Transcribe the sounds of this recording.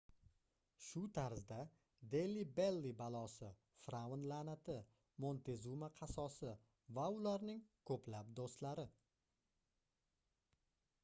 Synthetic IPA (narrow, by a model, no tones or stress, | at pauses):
ʃʊt̪ʰaɾzd̪a | d̪elːibelːibalˠɒsɪ | fɾanlanat̪ʰɪ | mont̪ʰe̞zumaqʰɑsɒsɪ | vaʊlaɾnɪŋkʰɵplap̚d̪ost̪laɾɪ